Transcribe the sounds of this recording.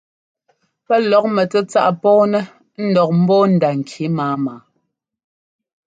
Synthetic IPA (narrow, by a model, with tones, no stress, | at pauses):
pɛ˦lɔ˨˦k̚mɛ˨tɛ˦t͡sa˦ʔpɔː˦nɛ˦ | n̩˦dɔ˨k̚m̩˦bɔː˦n̩˨da˨ŋ̩˨kʰji˨˦maː˨˦maː˨˦